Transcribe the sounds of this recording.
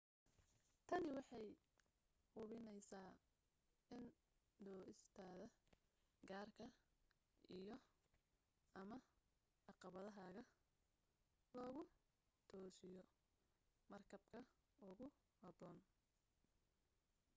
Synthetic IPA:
t̪ʰɐnɪwɑħɑj | ʊβɪnɛjsaː | ɪn | d̪ɔːɪst̪ʰaːðɐ | ɡaːrkʰɐ | ʔijɔ | ʔɐmɐ | ɑqɑβɐðɐɦaːɣɐ | lɔːɣʊ | t̪ʰɔːsɪjɔ | mɐrkʰɐbkʰɐʊɣʊ | hɐbɔːn

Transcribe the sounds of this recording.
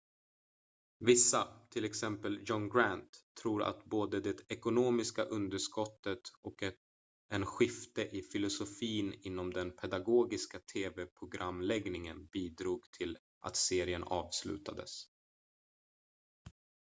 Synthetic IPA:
vɪsːat̪ʰɪlɛksɛmpəljɔnɡɾant̪ʰːɾuːɾa̰t̪boːd̪əd̪ɛt̪ɛkʊnoːmɪskaʔɵnd̪əʂkɔt̪ːət̪ɔkɛ | ʔɛnɧɪft̪əʔɪfɪlʊsʊfiːnɪnːɔmd̪ɛnpʰɛd̪aɡoːɡɪskat̪ʰeːvɛpʰɾʊɡɾamːlɛɡnɪŋə̰nbiːd̪ɾuːɡt̪ʰɪl | ʔa̰t̪seːɾɪənɑːvslʉ̟̰ːt̪ad̪ə̰s

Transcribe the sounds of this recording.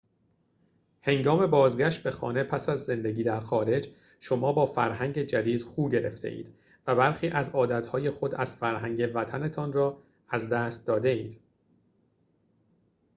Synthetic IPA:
he̞ŋɡɒːme̞bɒːzɡæʃt̪̚be̞xɒ̰ːne̞pʰæsæzːe̞nd̪e̞ɟiːd̪æɾxɒːɾe̞d͡ʒ | ʃo̞mɒːbɒːfæɾhæŋɟe̞d͡ʒæd̪iːd̪̥xuːɟe̞ɾe̞̰ft̪ʰḛʔḭːd̪̥ | væbæɾxiːʔæzɒːd̪æt̪hɒːje̞xo̞d̪æz̥fæɾɦæŋɟe̞væt̪ʰæne̞t̪ʰɒnrɒː | æzd̪æːst̪̚d̪ɒːd̪e̞ḭːd̪̥

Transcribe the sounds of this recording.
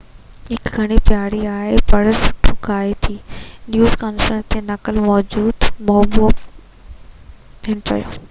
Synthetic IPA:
ɦɪkɡʱɐɽ̃ipjaːɽiaːɦepɐɽʊsʊ̥ʈʰoɡaːet̪ʰiːnjuːzkaːnfɾə̃nst̪ʰenɐkəlmɔːd͡ʑuːd̪mɔːbo | t̪ʰiəɽ̃ʊt͡ɕɐ̰jo̰ː

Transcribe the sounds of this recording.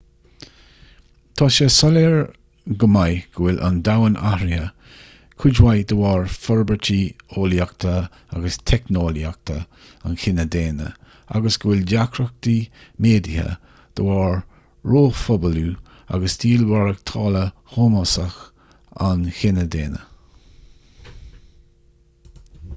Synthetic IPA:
t̪ʰɑːʃəsɔleɹ | ɡəmajɡ̥əwɪlʔa̰nd̪awənʔaɾiə | kʰud͡ʒwajd̪əwɑːɹfɔɹbət͡ʃʰioːljak̚t̪ʰə | aɡəst̪ʰɛknoːljak̚t̪ʰə | anxɪnəd̪eːnə̰ | a̰ɡəsɡ̥əwɪldakʰɾək̚d̪imeːd̪ihə̰ | d̪̥əwɑːɹ | ɹoːfɔbəluː | a̰ɡəsd̪iːlwaɹək̚t̪ʰɑːləhoːmasəx | a̰nxɪnəd̪eːnə̰

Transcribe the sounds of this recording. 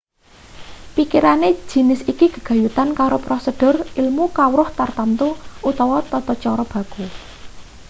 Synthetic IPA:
pikiɾane̥d͡ʒ̥i̤nɪsikiɡ̥ə̤̥ɡ̥ä̤jut̪ankaɾopɾosəd̥ʊ̤rilmukawɾʊht̪art̪ant̪uut̪ɔwɔt̪ɔt̪ɔt͡ʃɔɾɔb̥ä̤ɡ̥u

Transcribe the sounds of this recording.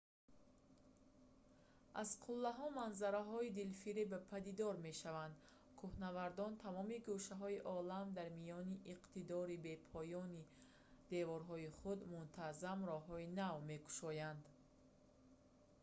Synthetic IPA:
ʔazqʰulːaɦɔmanzaɾaɦɔid̪ilfiɾibpʰad̪id̪ɔɾme̞ʃavand̪ | kʰuhnavaɾd̪ɔnt̪ʰamɔmiɡuʃaɦɔiʔɔlamd̪aɾmijɔniʔiqt̪id̪ɔɾibe̞pʰɔjɔni | d̪̥e̞vɔɾɦɔiχud̪munt̪ʰazamrɔɦɔinavme̞ku̥ʃɔjand̪

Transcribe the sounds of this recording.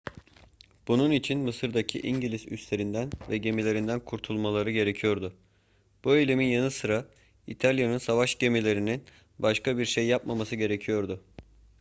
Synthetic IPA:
b̥ununit͡ʃʰinmɯsɯɾd̪acʰḭʔiɲɟilʲizy̰st̪lʲe̞ɾind̪ænvɛɟe̞milʲe̞ɾind̪ænkʰuɾt̪ʰulˠmalˠaɾɯɟe̞ɾe̞cʰijo̞ɾd̪ʊ | b̥uelʲe̞minjanɯsɯɾa | ḭt̪ʰalʲjanɯnsavaʃɟe̞milʲe̞ɾinin | baʃkabiɾʃejːapmamasɯɟe̞ɾe̞cʰijo̞ɾd̪ʊ

